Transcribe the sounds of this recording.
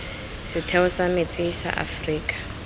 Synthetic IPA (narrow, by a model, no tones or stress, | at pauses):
sɪtʰɛʊsamet͡sʼɪsa̰ʔa̰friːkʼḁ